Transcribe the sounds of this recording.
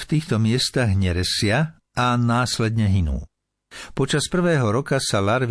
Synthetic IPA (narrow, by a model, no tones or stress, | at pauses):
ft̪iːxt̪ɔmɪɛst̪aɣɲɛɾɛsɪa | anaːslɛd̪ɲɛɦinṵː | pɔt͡ʃaspr̩ʋɛːɦɔɾɔkasalaɾʋ